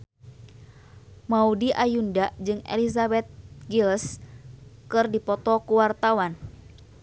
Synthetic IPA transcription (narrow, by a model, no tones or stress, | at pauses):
maudiʔajundad͡ʒɨŋḛlis̬abɛt̪̚ɡils | kɨrdipɔt̪ɔkuwart̪awan